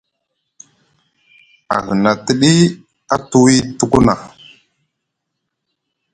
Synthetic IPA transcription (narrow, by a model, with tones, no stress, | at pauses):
a̰˨ɣə˨na˨tə˨ɗi˦ | a˦tu˦wi˦tu˦˨ku˦na˨